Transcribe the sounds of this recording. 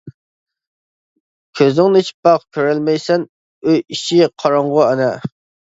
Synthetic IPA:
kʲʰøznɪŋnit͡ʃʰi̥p̚bɑqkʲʰøɾɛlmɛjsɛn | øjiʃiqʰɑɾɑɴʁʊɛnɛ

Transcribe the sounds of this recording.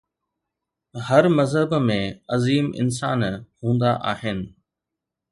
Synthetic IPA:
hɐɾmɐzɦəbmẽɐziːmɪ̰ns̬aːnhũːnd̪aʔaːɦɪnɪ̆

